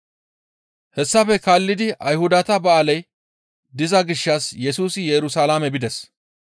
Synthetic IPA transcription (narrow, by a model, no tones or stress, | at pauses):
hɛsːɐfɛkaːlːɪd̪ɪʔɐjhʊd̪ɐt̪ɐbɐʔalɐj | d̪ɪzɐɡɪʃːɐsjɛsuːsɪjɛɾʊsaːlamɛbɪd̪ɛs